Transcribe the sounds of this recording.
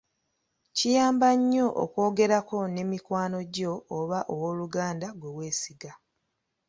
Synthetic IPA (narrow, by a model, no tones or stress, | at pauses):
cijaːmbaɲːo̞ʔo̰ko̞ːɡe̞ɾako̞ne̞ːmikwaːno̞ɟo̞ːβaʔowoluɡaːndaɡwe̞we̞ːsiɡa